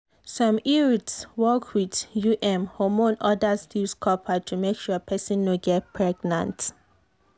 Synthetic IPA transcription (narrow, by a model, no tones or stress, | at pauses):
sɔ̃miɹitswɔkʰwidjuʔɛ̃mhɔmõnɔdastilskʰɔpʰatʰumekʃuəpʰɛsĩnːoɡɛt̚pʰɹɛɡnã̰nt